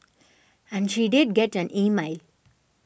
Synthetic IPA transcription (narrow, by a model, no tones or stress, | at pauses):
ɛ̃nʃiːɖɪɖ̚ɡɛʈæ̃nʔiːmaɪl